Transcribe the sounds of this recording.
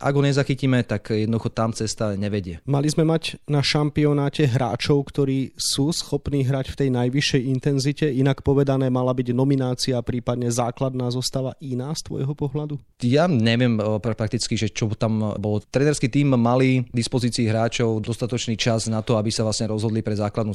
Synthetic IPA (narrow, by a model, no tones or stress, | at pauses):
ʔa̰ɡɦɔɲɛzaxicimɛt̪akjɛd̪nɔd̪uxɔt̪amt͡sɛst̪aɲɛʋɛɟɪɛmalizmɛmaɟnaʃampiɔnaːcɛɦɾʔa̰ːt͡ʃɔʊkt̪ɔɾiːsuːsxɔpniːɦɾacft̪ɛjnajʋiʃːɛjint̪ɛnzicɛinakpɔʋɛd̪anɛːmalabiɟnɔminaːt͡siapɾiːpad̪ɲɛzaːklad̪naːzɔst̪aːʋaʔinaːst̪ʋɔ̰jɦɔpɔɦlad̪u | jaɲɛʋɪɛmpɾapɾak̚t̪it͡skiʒɛt͡ʃɔt̪ambɔlɔt̪ɾɛnɛɾskit̪iːmːalid̪ispɔziːt͡siːɦɾaːt͡ʃɔʊd̪ɔst̪at̪ɔt͡ʃniːt͡ʃaznat̪ɔabisavlasɲɛɾɔzɦɔd̪lipɾɛzaːklad̪nu